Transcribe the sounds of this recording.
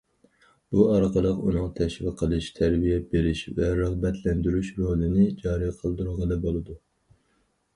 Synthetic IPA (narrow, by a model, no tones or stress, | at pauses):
b̥uɑɾqʰəlˠəqunɨŋt̪ʰɛʃvɪqʰəlˠɨʃt̪ʰæɾbijɛbeɾɪʃvɛɾəʁbɛt̪ʰlɛnd̪yɾyʃɾolˠɪnɪd͡ʒɑːɾijqʰəlˠd̪uɾɨʁɑd̪ɛbolˠɨd̪u